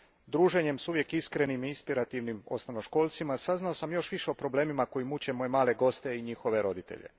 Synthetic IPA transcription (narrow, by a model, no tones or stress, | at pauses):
d̪ɾuːʒe̞ɲe̞msuʋje̞kiskɾe̞nimiinspiɾat̪iʋnimo̞̰snoʋnoʃko̞ːlˠt̪simasaznao̞samjo̞ʃʋiʃeopɾo̞ble̞ːmimako̞jimut͡ɕe̞mo̞jemaːle̞ɡo̞st̪e̞iɲixo̞ʋe̞ɾo̞d̪it̪ḛʎe̞̰